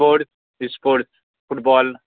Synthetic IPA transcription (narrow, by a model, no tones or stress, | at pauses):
oɾt̪̚ | ɪspoːɾt̪ | fʊʈbɔːl